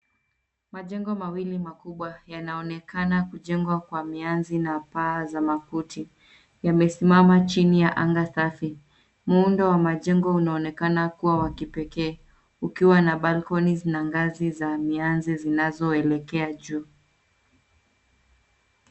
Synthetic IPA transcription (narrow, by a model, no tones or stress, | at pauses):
maʄɛŋɡɔmawilimakuɓwajanaɔnɛkanakuʄɛŋɡwakwamianzinapaːzamakutʰi | jamɛsimamat͡ʃinijaʔaŋɡasafi | m̩uundɔwamaʄɛŋɡɔunaɔnɛkanakuwawakipɛkɛː | ukiwanaɓalkɔniznaŋɡazizamianzizinazɔɛlɛkɛaʄuː